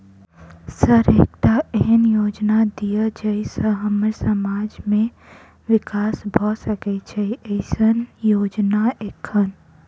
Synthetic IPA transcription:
səɾḛːk̚t̪aɛɦnjoːd͡ʒnad̪ijad͡ʒɛɪsəɦəməɾsəmaːd͡ʒmẽ | ʋɪkaːsbʱɔsəket͡ʃʰɛiʔeɪsənjoːd͡ʒnaeːkʰːən

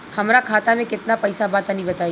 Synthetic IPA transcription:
hɐmɾakʰaːt̪amẽkɪt̪napɛːsabaːt̪anɐɦĩbɐt̪aːi

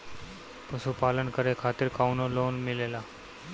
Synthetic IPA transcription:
pəsupaːlənkəɾekʰaːt̪ɪɾkaːunoːloːnmɪleːlaː

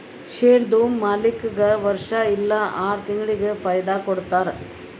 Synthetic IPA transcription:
ʃeːɾd̪umːɐlɪkːɯɡɐʋɐɾʂaːɪlːaːʔaːɾt̪ɪŋɡɭɪkɯfɐjd̪aːkɔɽɯt̪ːaːɾ

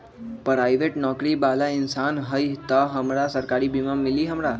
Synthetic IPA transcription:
pɾajʋeʈnɔkɾiːbalainsanɦəjt̪əɦəmɾasəɾkaɾiːbimamːiliːɦəmɾa

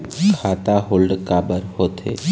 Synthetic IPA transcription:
kʰat̪aɦolɖkabəɾhot̪ʰḛ

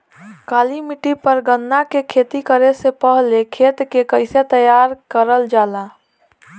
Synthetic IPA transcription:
kaːlimɪʈipəɾɡənd̪akekʰeːt̪ikəɾesepəɦlekʰeːt̪kekəɪset̪əjaːɾkəɾəld͡ʒaːla

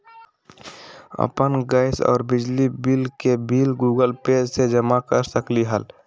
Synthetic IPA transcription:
ə̰pənɡaːɪsɔ̰ːɾbɪd͡ʒlibiːlkebiːlɡuːɡəlpeːd͡ʒsed͡ʒəmakəɾsəkliɦəl

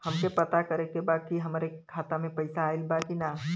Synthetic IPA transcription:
hɐmkepət̪akəɾekebaːd̪̚kiɦɐmːɾekʰaːt̪amẽpəɪsaːɪlbakina

